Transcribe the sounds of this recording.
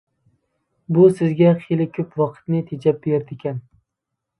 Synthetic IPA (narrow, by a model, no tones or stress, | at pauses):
bʊsɪzɡʲaχʰelɪkʲʰɵpwɒqʰɨ̥t̪nɪt̪ʰed͡ʒap̚bejɑɾt̪ʰekʲʰan